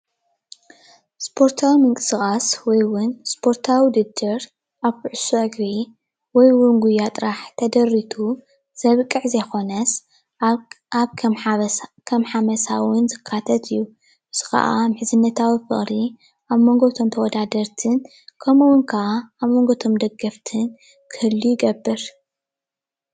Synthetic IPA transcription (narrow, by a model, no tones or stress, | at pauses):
spʰo̞ɾt̪ʰawimɨŋkʼɨsɨkʼaswɔjwʊnspʰo̞ɾt̪ʰawid̪ɨd̪ɨɾ | ʔaβkɨʕusuʔɨɡɾi | wɔjwʊnɡujːat̪ʼɾaħt̪ʰɐd̪ɐrːit̪ʰu | z̥ɐβɨkʼːɨʕzɐjxo̞nɐs | aβʰ | kʰɐmħamɐsawʊnzɨkʰːat̪ʰɐt̪ʰɨjːu | ʔɨz̥ɨxɐ̰ʔa̰mɨħzɨnːɐt̪ʰawifɨ̰χʼɾi | ʔaβmoŋɡot̪ʰo̞mt̪ʰɐwɔd̪ad̪ɐɾt̪ʰɨn | kʰɐmuwʊnkʰɐʔaːβmoŋɡot̪ʰo̞md̪ɐɡːɐft̪ʰɨn | kʰɨhɨlːijɪɡɐbːɨɾ